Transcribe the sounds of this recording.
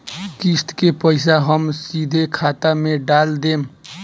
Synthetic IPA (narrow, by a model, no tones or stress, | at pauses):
kist̪kepəɪsaɦəmsid̪ʱekʰat̪ameɖald̪eːm